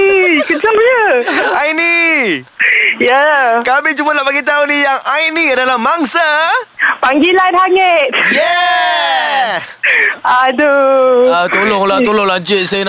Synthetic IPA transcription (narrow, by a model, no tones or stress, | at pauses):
kəsajəajni | jakamit͡ʃumanaʔpaɡit̪̬aunijaŋajnĩadalahmaŋsa | paŋɡilanhaŋət̪̚jɛ | adoat̪oloŋlat̪oloŋlaɲd͡ʒɪt̪̚san